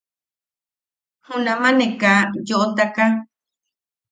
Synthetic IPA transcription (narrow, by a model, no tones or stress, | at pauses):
hũnãmãnẽkajoʔot̪aka